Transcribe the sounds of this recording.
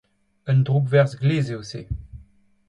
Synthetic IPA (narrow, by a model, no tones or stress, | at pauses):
ənd̪ʁubvɛʁzɡleːzeose